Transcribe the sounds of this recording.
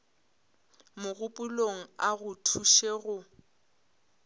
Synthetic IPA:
mʊɣʊpʼuloŋ̩aɣʊtʰuʃeɣʊ

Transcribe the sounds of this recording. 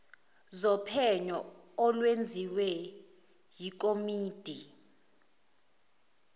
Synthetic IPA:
zɔpʰɛɲɔɔlwend͡zʱiwɛ | jik̬ʼomiːd̥ʱi

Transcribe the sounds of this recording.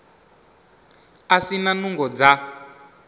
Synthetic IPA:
asinanuŋɡɔd͡za

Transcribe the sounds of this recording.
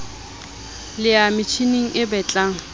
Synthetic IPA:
lɪamɪt͡ʃʰiniŋ̩ʔɪbɛt͡ɬʼaŋ̩

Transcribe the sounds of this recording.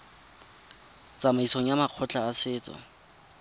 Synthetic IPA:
t͡sʼamaisoŋ̩jamaq͡χʰɔt͡ɬʼaːsɪːt͡sʼɔ̰

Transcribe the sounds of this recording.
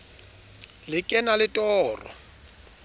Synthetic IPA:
lɪkʼɛnalɪtʼɔːrɔ̰

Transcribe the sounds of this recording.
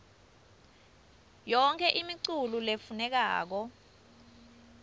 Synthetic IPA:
jɔŋkʰɛʔimiǀululefunɛk̬a̰ːk̬ɔ

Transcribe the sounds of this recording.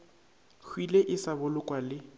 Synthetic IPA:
kʰwileʔɪsabʊlʊkʼwalɪ

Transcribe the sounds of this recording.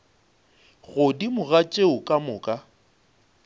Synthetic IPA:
ɣʊdimʊɣat͡ʃʼeʊkʼamʊːkʼa

